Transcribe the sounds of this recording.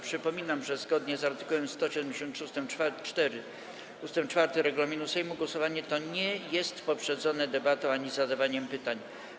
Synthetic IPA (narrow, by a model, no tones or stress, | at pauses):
pʂɘpɔmʲinamʐɛzɡɔd̪ɲɛzaɾt̪ɘ̥kuwɛmst̪ɔɕɛd̪ɛmd͡ʑeɕɔnt̪ʂust̪ɛmfat͡ʂt̪ɛɾɘ | ust̪ɛmt͡ʂfaɾt̪ɛɾɛɡulamʲinusɛjmuɡwɔsɔvaɲɛt̪ɔɲɛjɛst̪pɔpʂɛd̪zɔnɛd̪ɛbat̪ɔ̃w̃aɲizad̪avaɲɛmpɘt̪aɲ